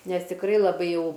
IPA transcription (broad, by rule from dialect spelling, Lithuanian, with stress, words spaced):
ˈnʲɛs tʲɪkˈrɐɪ lˠɐˈbɐɪ jɛʊ